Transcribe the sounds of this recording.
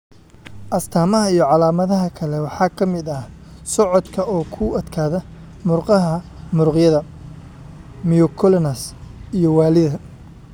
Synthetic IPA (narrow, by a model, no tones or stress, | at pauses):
ʔɐst̪ʰaːmɐɦɐijɔʕɑlaːmɐðɐɦɐkʰɐlɛwɑħɑːkʰɐmɪd̪ɐh | sɔʕɔd̪kʰɐʔɔːkʰʊʔɐd̪kʰaːðɐ | mʊrqɑɦɐ | mʊrqjɐðɐ | miɔkʰɔlɔnɐsijɔwɑːlɪðɐ